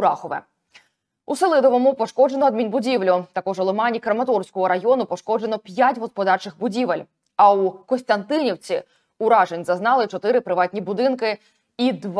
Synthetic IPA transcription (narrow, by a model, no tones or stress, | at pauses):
ɾɑxɔʋɛ̰ | uselˠɪd̪ɔʋɔmʊpɔʃkɔd͡ʒenɔːd̪̚mʲinbʊdʲiʋlʲʊt̪ɐkɔʒɔlˠɔmɑnʲikɾɐmɐt̪ɔrsʲkɔɦɔɾɐjɔnʊpɔʃkɔd͡ʒenɔpʲjatʲɦɔspɔd̪ɑrt͡ʃɪxbʊdʲiʋelʲ | ɐukɔst̪ɐnt̪ɪnʲiwt͡sʲi | uɾɑʒenʲzɐznɑlˠɪt͡ʃɔt̪ɪɾɪpɾɪʋɑtʲnʲibʊd̪ɪnkɪ | id̪ʋ